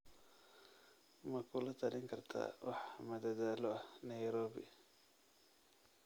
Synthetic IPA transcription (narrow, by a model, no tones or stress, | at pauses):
mɐkʰʊlɐt̪ʰɐlɪŋkʰɐrt̪ʰa̰ːwʔɑħmɐd̪ɐðaːlɔɐnɐjɾɔːbɪ̰